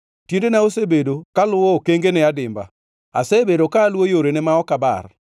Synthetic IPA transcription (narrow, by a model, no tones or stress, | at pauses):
tjendenaosebedokalʊwɔkeŋɡenɛadɪmba̰ | a̰sebedokaːlwojoɾenɛmaɔkaba̰r